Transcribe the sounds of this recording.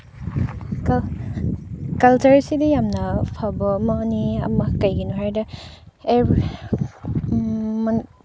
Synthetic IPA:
kɐltɐɾsidijamnɐpʰabɐmɐniɐ̰mɐkɐjɡinuɦajdɐ | e | m

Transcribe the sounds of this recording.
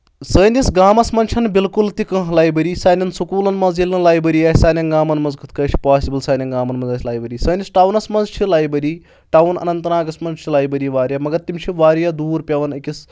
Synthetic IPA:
səːnʲisɡaːmɐsmɐnt͡ʃʰɐnbilkult̪ikɐ̃ɦlaːjbɐɾiːsaːnʲɐnsukuːlɐnmɐzjilʲɨlaːjbɐɾiːaːsaːnʲɐnɡaːmɐnmɐnzkʰɨ̥t̪ʰkɐːt͡ʃʰi̥paːsibɐlsaːnʲɐnɡaːmɐnmɐnzaːsʰʲlaːjbɐɾiːsəːnʲisʈawnɐsmɐnzt͡ʃʰilaːjbɐɾiː | ʈɐwnɐ̰nɐnt̪ɐnaːɡɐsmɐnzt͡ʃʰilaːjbɐɾiːʋaːɾjamɐɡɐɾt̪imʲt͡ʃʰiʋaːɾjad̪uːɾpʲɐʋɐnikʲis

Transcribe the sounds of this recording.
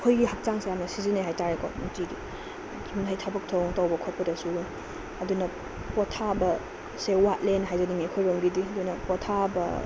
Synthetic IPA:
kʰojɡiɦak̚t͡ʃaŋsejamnɐsizineɦajtaɾekɔ̰nuŋtiɡi | muntʰajtʰabɐk̚tʰoŋtawbɐkʰɔt̚pɐdɐsu | ɐdunɐ | pɔtʰabɐ | sewat̚lenɦajzɐdimikʰojɾoŋbidiɐdunɐpɔtʰabɐ

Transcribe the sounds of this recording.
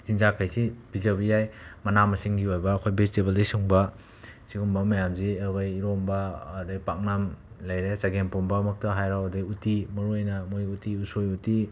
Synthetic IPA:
z̥inzakʰajsib̥izaβijajmɐnamɐsiŋɡiojbɐːkʰojbezitebeldɐjsiuŋbɐ | sikuŋbɐmɐjamziɐɾɡajːɾombɐːdɐɡipak̚nam | lajɾesaɡenpombɐmɐk̚tɐɦajɾawɐdaiutimɐɾuajnɐmojutiusojuti

